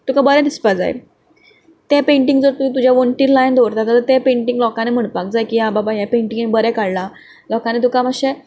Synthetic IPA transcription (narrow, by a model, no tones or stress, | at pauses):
t̪ukabəɾɛ̃d̪ispad͡za̰j̰l | t̪epeɳʈiŋɡd͡zəɾt̪umit̪ud͡ʑʱjaʋəɳʈiːɾlajnd̪ʱoʋɾt̪at̪əɾət̪epẽɳʈiŋɡlɔkãnem̤əɳpakd͡zajkiɦãbabajapẽɳʈiŋɡĩŋbəɾɛkaɽla | lɔkanet̪̬ukaməɕe